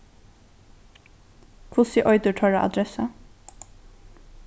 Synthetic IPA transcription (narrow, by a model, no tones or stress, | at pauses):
kʰʋʊsɪʔɔʏd̪əʈʰœɹaʔa̰d̪ɾɛsa